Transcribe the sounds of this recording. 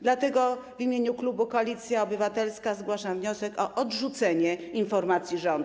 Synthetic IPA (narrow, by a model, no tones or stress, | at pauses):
d̪lat̪ɛɡɔvimʲjeɲuklubukɔalʲit̪sʲjaɔbɘvat̪ɛlskazɡwaʂavɲɔsɛkɔʔɔdʐut̪sɛɲɛinfɔɾmat̪sʲjiʐɔnd̪